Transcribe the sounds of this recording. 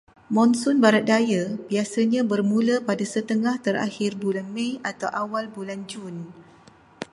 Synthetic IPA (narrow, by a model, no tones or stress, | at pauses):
mɔ̃nsɔnbaɾat̪̚dajab̥iasaɲãbərmũləpadasət̪əŋaht̪əɾʔa̰hɪrbulanmẽjat̪awʔawalbuland͡ʒun